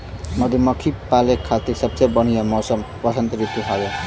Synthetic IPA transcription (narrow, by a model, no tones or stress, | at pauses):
mʌd̪ʱemʌkʰipalekʰːat̪iksʌb̚t͡sejbʌñijomʌwsʌm | pʌsʌnt̪ɾit̪uɦʌjo